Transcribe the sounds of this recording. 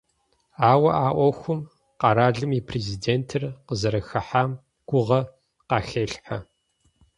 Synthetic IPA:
aːwɐʔaːʔʷɔxʷʊm | qɑɾaːɮɨmipʰrezideːntʰɨrqəzɐɾɐxɐħaːm | ɡ̥ʷʊʁɐ | qɑːxeːɬħa

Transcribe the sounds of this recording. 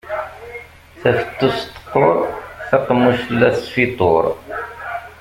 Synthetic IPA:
θæfə̥t̪ˤːost̪ːə̥qːoɾˤθɑqːmːuʃlːæsfit̪ˤoɾˤ

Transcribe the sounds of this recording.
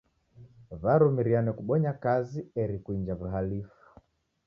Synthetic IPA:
vaɾumiɾianɛkuɓɔɲakaziɛɾikuiɲd͡ʒavuɦalifu̥

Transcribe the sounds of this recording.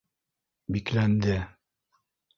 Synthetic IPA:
biklænd̪ɘ

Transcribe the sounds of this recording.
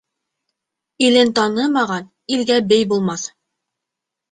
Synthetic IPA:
ilɘnt̪ɑnɤmɑʁɑn | ilɡæbɘjbulˠmɑθ

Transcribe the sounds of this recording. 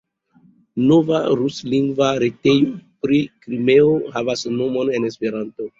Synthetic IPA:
no̞vaɾusliŋɡvaɾete̞jopɾikɾime̞ohavasno̞mo̞ne̞ne̞spe̞ɾanto̞

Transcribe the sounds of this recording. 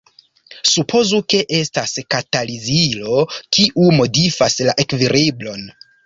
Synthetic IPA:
supʰo̞zuke̞ʔe̞staskatalizilo̞kiʔumo̞difaslaʔekviɾʔiblo̞n

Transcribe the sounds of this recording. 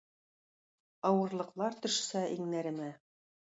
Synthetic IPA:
ɑwɤ̆ɾlˠɤ̆qlˠɑɾt̪ɵ̆ʃsæʔiŋnæɾɘ̆mæ

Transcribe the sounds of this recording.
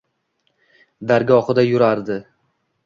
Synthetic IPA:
d̪aɾɡʲɒχɨd̪ajʊɾaɾd̪ɪ

